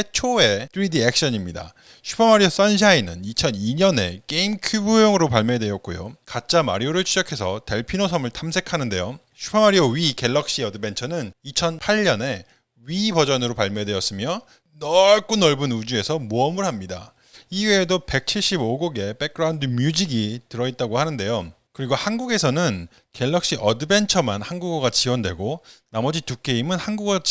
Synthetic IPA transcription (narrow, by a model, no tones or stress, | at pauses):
et͡ɕʰoe̞dʰɯɾidiek̚ɕ͈ʌɲimɲida̰ | ɕʰu̥pʰamaɾios͈anɕʰainɯnit͡ɕʰʌniɲʌne̞̰k͈e̞imkʰjubujʌŋɯɾopaɭmedwejʌk̚k͈ojo̰kat̚t͡ɕ͈ama̰ɾioɾɯɭt͡ɕʰud͡ʑʌkʰe̞sʰʌte̞ɭpʰinosʰʌmɯɭtʰamsʰe̞kʰanɯnde̞jo | ɕʰu̥pʰamaɾioɥike̞ɭːʌk̚ɕ͈iʌdɯbe̞nt͡ɕʰʌnɯnit͡ɕʰʌnpʰaʎːʌne̞ | ɥibʌd͡ʑʌnɯɾopaɭmjedwe̞jʌs͈ɯmjʌ | nʌɭk͈unʌɭbunud͡ʑue̞sʰʌmuʌmɯɭɦamɲida̰ | iɥeːdope̞k̚t͡ɕʰiɭɕ͈iboɡoɡe̞p͈e̞k͈ɯɾaundɯmjud͡ʑiɡitɯɾʌit̚t͈aɡohanɯnde̞jo | kɯɾiɡohanɡuɡe̞sʰʌnɯn | ke̞ɭːʌkɕ͈iʔʌdɯbe̞nt͡ɕʰʌmanhanɡuɡoɡat͡ɕiwʌndwe̞ɡonamʌd͡ʑituk͈e̞imɯnhanɡuɡʌ